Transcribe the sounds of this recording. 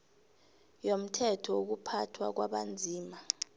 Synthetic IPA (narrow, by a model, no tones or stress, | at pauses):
jom̩tʰɛtʰɔuk̬upʰatʰwa̰k̬waɓand͡zʱiːma